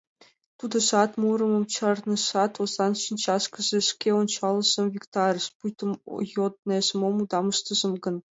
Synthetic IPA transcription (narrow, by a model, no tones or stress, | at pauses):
t̪ud̪ɤ̆ʂɑt̪murɤ̆mɤ̆mt͡ɕɤrnɤ̆ʂɑt̪ozɑnɕint͡ɕɑʂkɤ̆ʑĕʂkʲeont͡ɕɑlˠːɤ̆ʑɤ̆mvʲikt̪ɑrʲɤ̆ʂpujt̪ŏmjot̪̚nɤezmomud̪ɑmɤʃt̪ɤ̆ʒɤ̆mɡɤ̆n